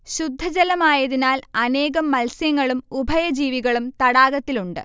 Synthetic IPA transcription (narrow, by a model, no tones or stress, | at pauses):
ɕud̪ʱːɐd͡ʑɐlɐmaːjɐðinaːlɐne̞ːɣɐmːɐlsjɐŋːɐɭumubʱɐjɐd͡ʑiːʋiɣɐɭumt̪ɐɽaːɣɐt̪ːiluɳɖɨ̰